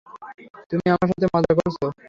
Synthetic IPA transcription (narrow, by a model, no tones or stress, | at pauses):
t̪umiamaɾʃat̪ʰemad͡ʑʱakoɾt͡ɕʰo